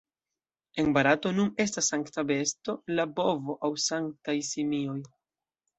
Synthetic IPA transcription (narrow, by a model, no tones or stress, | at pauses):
e̞nbaɾato̞nune̞stasːaŋktabe̞sto̞labo̞vo̞ʔawsaŋk̚tajsimio̞j